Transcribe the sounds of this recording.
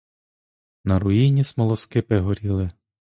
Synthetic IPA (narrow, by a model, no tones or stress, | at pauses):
nɐɾʊjinʲismɔlˠɔskɪpɛɦɔɾʲilˠɪ